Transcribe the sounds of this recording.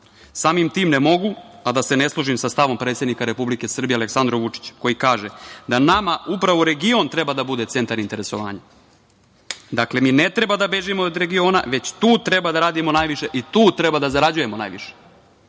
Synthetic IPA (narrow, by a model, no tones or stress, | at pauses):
saːmimt̪iːmnemo̞ɡuad̪ase̞ne̞slˠuʒimsast̪aʋo̞mpɾe̞ːt̪sed̪nikaɾe̞publike̞sr̩bijeale̞ksand̪ɾoʋut͡ʂi̥t͡ɕko̞jikaːʒed̪anamaupɾaʋoɾe̞ɡio̞nt̪ɾe̞bad̪abud̪e̞t̪se̞nt̪aɾint̪e̞ɾe̞so̞ʋa̰ːɲa | d̪akle̞minet̪ɾe̞bad̪abe̞ʒimood̪ɾe̞ɡio̞ːna̰ʋe̞t͡ɕt̪uːt̪ɾe̞bad̪aɾaːd̪imo̞naːjʋiʃe̞ʔit̪uːt̪ɾebad̪azaɾad͡ʑuje̞mona̰jʋḭʃe̥